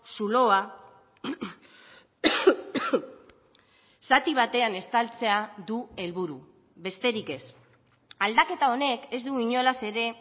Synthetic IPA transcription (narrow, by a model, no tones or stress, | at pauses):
sulo̞a | sat̪iβ̞at̪e̞ane̞st̪alt͡se̞aðue̞lβuɾu | βe̞st̪e̞ɾike̞s | ald̪ake̞t̪ao̞ne̞ke̞zd̪uiɲo̞lase̞ɾe̞